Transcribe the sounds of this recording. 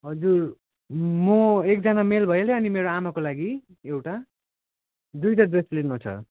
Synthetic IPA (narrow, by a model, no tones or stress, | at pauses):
ɦʌd͡zur | mʌek̚d͡zanamelbʱʌjeleʌnimeɾoamakolaɡi | ewʈa | d̪ujʈadweslinot͡sʰʌ̰